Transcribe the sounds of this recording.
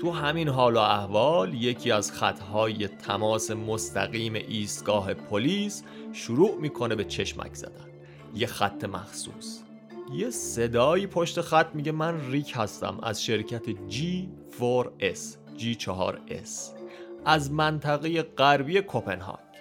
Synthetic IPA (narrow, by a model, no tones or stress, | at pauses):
t̪ʰuɦæminɦɒːloæhvɒːlje̞cʰiːæzxæt̪ʰhɒːje̞t̪ʰæmɒːse̞most̪ʰæ̰ɣiːme̞̰ʔiːst̪ɡ̥ɒːɦe̞pʰoliːs | ʃuɾuːʔmiːkʰone̞be̞t͡ʃʰe̞ʃmæ̰cʰz̥æ̰d̪ænd̪̥ | je̞xæt̪ʰːe̞mæxsṵːs | jese̞d̪ɒːjiːpʰoʃt̪e̞xæt̪ʰːmiːɟe̞mænriːkʰhæst̪æ̰mæ̰zʃe̞ɾcʰæt̪ʰed͡ʒiː | foɾes | d͡ʒiːt͡ʃʰɒɦɒ̰ːɾḛsʔæzmænt̪ʰæɣeje̞ɢæɾbiːe̞kʰopʰe̞nɦɑ̰ːɡ̥